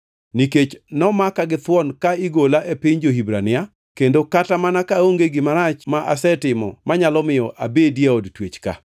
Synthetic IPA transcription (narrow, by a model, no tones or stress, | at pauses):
niket͡ʃnɔmakaɡɪt̪wɔnkaiɡolaʔepɪɲd͡ʒoɦibɾanɪa | kendokatamanakaoŋɡeɡɪmaɾat͡ʃmaʔasɛtɪmɔ̰maɲalɔmɪjɔʔa̰bedijaodtwet͡ʃka̰